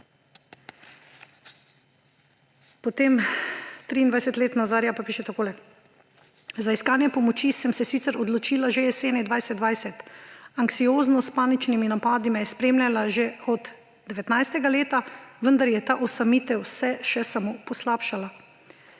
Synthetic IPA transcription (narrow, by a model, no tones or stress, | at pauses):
pɔt̪eːmt̪ɾiːnd̪ajsɛt̪leːt̪nazaːɾjapapiːʃɛt̪akoːlɛ | zaiskaːnjɛpɔmɔt͡ʃisɛmsɛsiːt̪sɛɾɔd̪lɔt͡ʃilaʒeɛseːnɛd̪ʋajsɛt̪d̪d̪ʋajsɛt̪aŋksioːznɔspaːnit͡ʃniminapaːd̪imɛjɛspɾeːmlʲalaʒeɔd̪ | d̪ɛʋɛt̪najst̪ɛɡaleːt̪aʋənd̪aɾjɛt̪aːʔɔsamiːt̪ɛwsɛʃɛsamoːpɔslaːpʃala